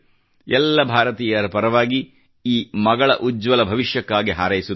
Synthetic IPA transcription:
ɛlːɐbʱaːɾɐt̪iːjɐɾɐpɐɾɐʋaːɡi | iːmɐɡɐɭɐʔud͡ʒʋɐlɐbʱɐʋiʃjɐkːaːɡiɦaːɾɐjisu

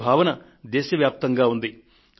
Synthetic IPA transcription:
bʱaːʋɐnɐ | d̪ɛːʃɐʋjaːp̚t̪ɐŋɡaːund̪i

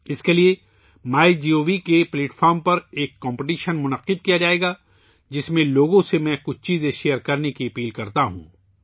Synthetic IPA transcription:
ɪskelie | maːid͡ʒiːoːʋikepleːʈfʰɔːɾmpɐɾeːkːɔ̃ːmpɪʈiːʃənmʊnəqːɪd̪̚kijad͡ʒaːeːɡa | d͡ʒɪsmẽloːɡõsemɛ̃ːkʊt͡ʃʰt͡ʃiːzẽʃeːəɾkɐɾnekiɐpiːlkɐɾt̪aɦṵ̃ː

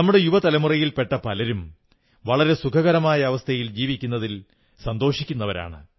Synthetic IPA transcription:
nɐmːuɽe̞juʋɐt̪ɐlɐmurɐjilpe̞ʈːɐpɐlɐɾum | ʋɐɭɐɾe̞sukʰɐɣɐɾɐmaːjɐːʋɐst̪ʰɐjild͡ʑiːʋikʲːunːɐðil | sɐnd̪o̞ːʂikʲːunːɐʋɐɾa̰ːɳɨ̰

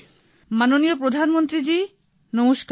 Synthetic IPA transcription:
manoniopɾod̪ʱanmont̪ɾid͡ʑi | nomuʃk

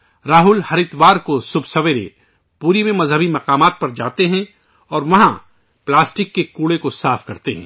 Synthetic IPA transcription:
ɾaːɦʊlhɐɾɪt̪ʋaːɾkosʊbsɐʋeɾḛ | puːɾimẽmɐzɦəbimɐqaːmaːt̪̚pɐɾd͡ʒaːt̪eɦɛ̃ | ɔːɾʋɐɦã | plaːsʈɪkːekuːɽekosaːfkɐɾt̪eɦɛ̰̃ː

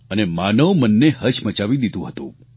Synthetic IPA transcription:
ənemanəʋmənːeɦət͡ʃmət͡ʃaʋid̪id̪ũɦət̪ṵ̃

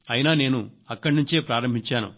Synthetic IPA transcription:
ɐjinaːne̞ːnuɐkːɐɽinuɲt͡ʃe̞ːpɾaːɾɐmbʱiɲt͡ʃaːnṵ

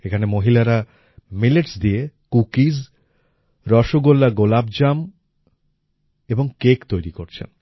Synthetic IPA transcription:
ekʰanemoɦilaɾa | mileʈsd̪iekukid͡ʑ | ɾɔʃoɡolːaɡolab̚d͡ʑam | eboŋkekt̪ojɾikoɾt͡ɕʰḛn

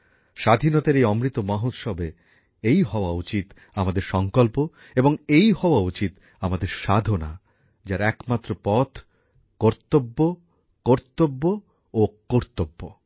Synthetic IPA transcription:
ʃad̪ʱinɔt̪eɾejɔmɾit̪omaɦot̪ʃɔbʱe | ejɦɔoaut͡ɕit̪ | amad̪eɾʃɔŋkolpo | eboŋejɦɔoaut͡ɕit̪ | amad̪eɾʃad̪ʱona̰ | d͡ʑaɾɛkmat̪ːɾopɔt̪ʰ | kɔɾt̪obːo | kɔɾt̪obːo | okoɾt̪obːo

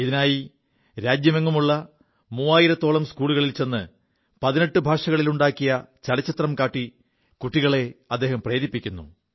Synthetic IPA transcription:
iðinaːji | ɾaːd͡ʑjɐmeŋːumuɭːɐ | muːaːjiɾɐt̪ːo̞ːɭɐmskuːɭuɣɐɭilt͡ɕe̞nːɨ | pɐðineʈːɨbʱaːʂɐɣɐɭiluɳɖaːkːijɐt͡ɕɐɽɐt͡ɕːɐt̪rɐmkaːʈːi | kuʈːiɣɐɭe̞ɐd̪ːe̞ːhɐmpreːɾipːikʲːunːṵ

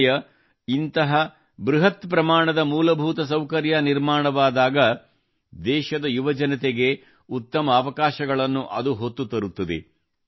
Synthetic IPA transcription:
jɐ | int̪ɐɦɐ | bɾuɦɐt̪pɾɐmaːɳɐd̪ɐmuːlɐbʱuːt̪ɐs̬ɐwkɐɾjɐniɾmaːɳɐʋaːd̪aːɡɐ | d̪ɛːʃɐd̪ɐjuʋɐd͡ʒɐnɐt̪eɡe̞ | ut̪ːɐmɐːʋɐkaːʃɐɡɐɭɐnːuʔɐd̪uɦot̪ːut̪ɐɾut̪ːɐd̪ḛ

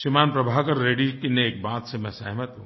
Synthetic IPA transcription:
ʃimaːnpɾɐbʱaːkɐɾːeːɖikineeːk̚bãːt̪semɛ̃sɛɦmət̪ɦũː

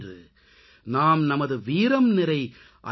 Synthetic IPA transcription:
drɯ | naːmnɐmɐðɯʋiːɾɐmnɪɾɐɪ | ʔɐ̰

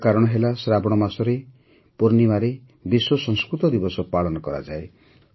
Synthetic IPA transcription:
kaɾɔɽ̃ɔɦelasɾabɔɽ̃ɔmasɔɾe | poɾnimaɾe | biswɔsɔ̃ŋskɾut̪ɔd̪ibɔsɔpaɭɔnɔkɔɾa̰d͡ʒae

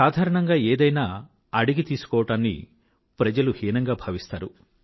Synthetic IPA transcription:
saːd̪ʱaːɾɐɳɐŋɡaːeːd̪ɐjnaː | ɐɽiɡit̪iːsu̥kɔːʋɐʈaːnːḭ | pɾɐd͡ʒɐluhiːnɐŋɡaːbʱɐːʋist̪aːɾu

